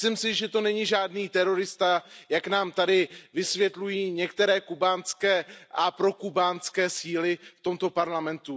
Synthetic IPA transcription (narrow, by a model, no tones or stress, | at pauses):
lɪmsɪʒɛt̪o̞nɛɲɪʒaːdniːt̪ɛɾo̞ɾɪst̪ajaknaːmt̪adɪvɪsvjɛt̪lujiːɲɛkt̪ɛɾɛːkubaːnt͡skɛːʔapɾo̞kubaːnskɛːsiːlɪft̪o̞mt̪o̞paɾlamɛnt̪u